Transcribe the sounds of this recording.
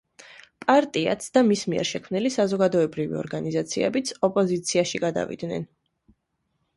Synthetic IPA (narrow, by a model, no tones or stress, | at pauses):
pʼaɾt̪ʼia̰t̪sʰd̪̥amismiɛ̰ɾʃɛkʰmnilisazɔɡad̪ɔɛbɾivḭɔ̰ɾɡanizat̪sʰiɛbit̪sʰɔpʼɔzit̪sʰiaʃiɡad̪a̰vḭd̪̥nɛ̰n